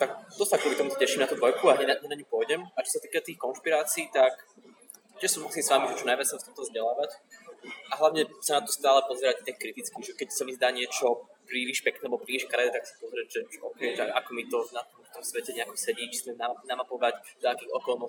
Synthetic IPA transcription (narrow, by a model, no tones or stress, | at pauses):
t̪akt̪ɔsakɔlit̪ɔmut̪ɔcɛʃimnat̪uːd̪ʋɔjkuaɲɛaɲɛnaɲupʊɔjɟɛmat͡ʃɔ̥sat̪iːkat̪iːxkɔnʃpiɾaːt͡siːt̪ak | t͡ɕɛʃsɔmusiːmsʋamiʒɛt͡ʃɔnajʋat͡ssamstt͡simt̪ɔzɟɛlaːʋac | aɦlaʊɲɛsanat̪ɔst̪aːlɛpɔzɛɾact̪ɛkkɾit̪it͡skiʒɛkɛcsamizd̪aːɲɪɛt͡ʃɔpɾiʋiʃpɛknɛːlɛbɔpɾiʋiʃkaɾɛd̪ɛt̪aksḁpɔzɾɛʒɛʔɔkɛjʒɛakɔmit̪ɔnat̪ɔmt̪ɔmsʋɛcɛɲɛakɔsɛɟiːt͡ʃsmɛmnanamapɔʋacd̪akiːɣɔkɔlˠnɔs